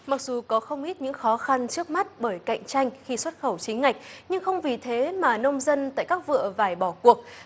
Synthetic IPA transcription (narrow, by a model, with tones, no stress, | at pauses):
ma˨˩k̚zu˨˩kɔ˨˦xə˧wŋ͡mʔi˦˥t̚ɲɨ̰˧˥ŋxɔ˨˦xa˧nt͡ɕɨ˦˥ək̚ma˦˥t̚ɓəː˧˩jka̰˧˨ŋ̟t͡ɕa˧jŋ̟xi˧swə˦˥t̚xə˧˩wt͡ɕi˨˦ŋ̟ŋa˨˩k̟̚ɲɨ˧ŋxə˧wŋ͡mvi˨˩t̪ʰe˨˦maː˨˩nə˧wŋ͡mzə˧nt̪a̰ː˧˨jkaː˦˥k̚vɨ̰˧˨əvaː˧˩jɓɔ˧˩ku˨˩ək̚